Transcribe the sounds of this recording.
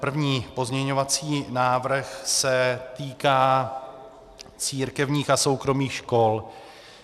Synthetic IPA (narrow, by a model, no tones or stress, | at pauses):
pr̩vɲiːpo̞zmɲɛɲo̞vat͡siːnaːvr̩xsɛt̪iːkaː | t͡siːɾkɛvɲiːxaso̞wkɾo̞miːxʃko̞l